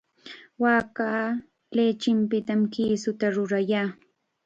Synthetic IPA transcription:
waːkaː | leːt͡ʃɪmpɪt̪amkiːsʊt̪aɾʊɾajaː

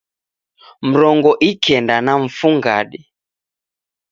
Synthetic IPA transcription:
m̩ɾɔŋɡɔʔikʰɛndanaɱ̩fuŋɡa̰ɗi

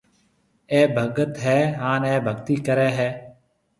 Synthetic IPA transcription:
ɛːbʱəɡət̪ɦɛːɦaːnɛːbʱəɡt̪iːkəɾɛːɦɛː

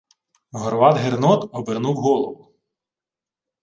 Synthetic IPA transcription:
ɦɔɾʋɑd̪ɦernɔt̪ɔbernuwɦɔlˠɔʋʊ

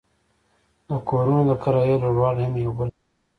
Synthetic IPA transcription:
d̪əkoɾunod̪əkaɾɑjeloɽwɑːlhamjawbəl

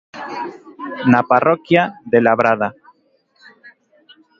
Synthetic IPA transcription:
naparokjaðelaβɾaða

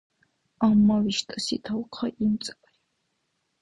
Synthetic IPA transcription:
amːawiʃt̪ʼɐsḭt̪ʰɐwqʰɐʔimt͡sʼ | j

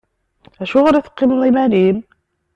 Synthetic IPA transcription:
æʃuʁɾiθə̥qːimðˤimænim

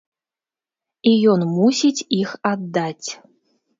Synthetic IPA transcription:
ijɔnmusʲit͡sʲixad̪ːat͡sʲ

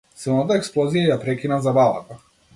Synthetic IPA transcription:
sɛnat̪̬aɛksplˠɔzijajapɾɛkʲinazabalˠa̰t̪a

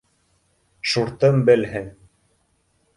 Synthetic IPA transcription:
ʃuɾt̪ɤmbɘ̆lɦɘŋ

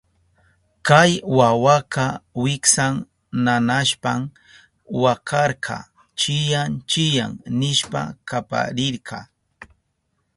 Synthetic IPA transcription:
kajwawakɑwɪksaŋ | nanaʃpam | wakʰɑɾqʰɑ̰ | t͡ʃɪjant͡ʃɪja̰ŋnɪʃpa̰kapa̰ɾɪɾkʰɑ

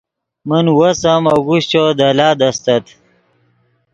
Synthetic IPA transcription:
mənwɐsɐmɐɡuɕt͡ɕod̪ɐlaːd̪ɐst̪ɐt̪

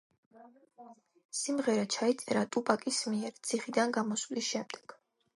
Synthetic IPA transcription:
simʁɛɾat͡ʃʰait̪sʼɛɾat̪ʼupʼakʼismiɛɾt̪sʰiχid̪anɡamɔsvlisʃɛmd̪̥ɛ̥ɡ̥

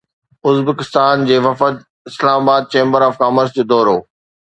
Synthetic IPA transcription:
ʊzbekɪst̪aːnd͡ʑeːʋɐfəd̪ | ɪslaːmaːbaːd̪̚t͡ɕẽːmbəɾaːfkaːməɾzd͡ʑeːd̪ɔːɾoː

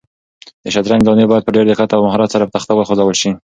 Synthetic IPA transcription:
d̪əʃad̪ɾanɡd̪ɑnebɑjad̪pəɖeɾd̪ɪqat̪awmaɦɑɾɑt̪saɾapət̪axt̪awəlxozawəlʃi

